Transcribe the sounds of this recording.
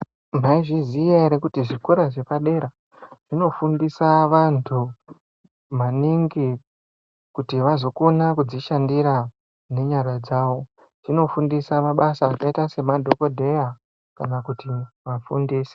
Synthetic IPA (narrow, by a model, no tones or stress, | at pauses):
m̤aiʐizijeɾekutiʐikoɾaʐe̞paɗe̞ːɾa | ʐ̥ino̞fundisaʋantʰu | maniŋɡi | kutiʋazo̞konakud͡ziʃandiɾa | ne̞ɲarad͡zaːʋo̞ | ʐino̞fundisamaɓasaːkaitase̞madʱo̞ko̞dʱe̞ja | kanakuti | ʋafundiːse̥